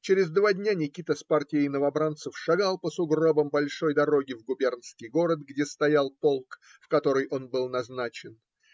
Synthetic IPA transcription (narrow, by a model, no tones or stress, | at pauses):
t͡ɕɪɾʲɪzd̪vadʲnʲanʲɪkʲit̪əspartʲɪjəjnəvɐbɾant̪səfʂɐɡalˠpəsʊɡro̞bəmbɐlʲʂo̞jd̪ɐɾo̞ɡʲɪvɡʊbʲe̞rnskʲɪjɡo̞ɾət̪ɡdʲest̪ɐjalˠpolˠk | fkɐt̪o̞ɾɨjʔo̞nbɨlˠnɐznat͡ɕɪn